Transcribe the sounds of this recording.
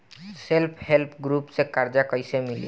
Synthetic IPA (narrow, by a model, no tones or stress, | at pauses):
selpʰhelpʰɡɾupsekaɾd͡ʒakəjsemilḭ